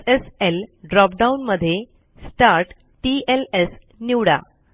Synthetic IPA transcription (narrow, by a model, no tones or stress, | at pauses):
eselɖɾɔpɖaunməd̪ʱːje | sʈaɾʈ | ʈieles | niʋɽa̰